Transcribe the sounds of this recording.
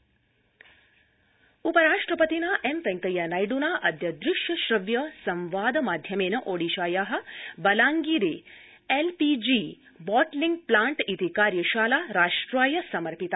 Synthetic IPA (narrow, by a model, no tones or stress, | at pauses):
upəɾaːʂʈɾəpət̪inaːʔempɛ̃ŋkɐjanajɖunaːʔɐd̪ʱjɐd̪ɾɪʃjɐʃɾɐʋjɐsɐ̃mʋaːd̪maːd̪ʱjɐmeːnɐʔoːɽiʃaːjaːɦɐ̆bɐlaːŋɡiːɾe | elpid͡ʒi | bɔːʈliŋɡ̚plaːɳʈit̪ikaːɾjɐʃaːlaːɾaːʂʈɾaːjɐsɐməɾpit̪a